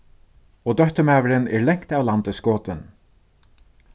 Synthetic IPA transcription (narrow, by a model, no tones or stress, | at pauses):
ɔːd̪œt̪əmæːʋəɾɪnɛɹlɛŋ̥kt̪awlant̪ɪskoːt̪ɪn